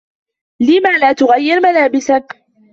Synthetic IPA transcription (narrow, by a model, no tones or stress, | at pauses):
lɪmaːlaːt̪ʊɣajːɪɾmalaːbɪsa